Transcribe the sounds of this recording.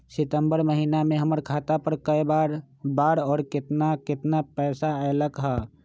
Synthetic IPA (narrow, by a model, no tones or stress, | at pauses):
sɪt̪əmbəɾməɦiːnamẽɦəməɾkʰaːt̪apəɾkəibaːɾ | baːɾɔːɾkɪt̪nakɪt̪napɛːsaɛləkɦɛ